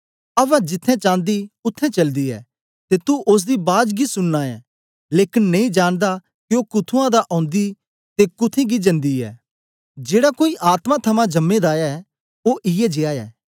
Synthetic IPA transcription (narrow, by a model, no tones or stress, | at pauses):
ɐʋɛ̃d͡ʒɪt̪ʰːɛ̃t͡ʃãːnd̪iʊt̪ʰːɛ̃t͡ʃɐld̪iɛ̰ː | t̪et̪uʔʊs̬d̪ibaːd͡ʒɡisʊnnaːɛ̰ | leːkɪnːɐ̃ĩd͡ʒaːɽ̃d̪a | kiokʊt̪ʰuãd̪aʔɔ̃ːnd̪i | t̪ekʊt̪ʰẽɡid͡ʒɐ̃nd̪iɛ̰ː | d͡ʒeːɽakoːiʔaːt̪mãt̪ʰɐmãd͡ʒɐmːed̪aːja | oʔɪjɛd͡ʒeaːɛː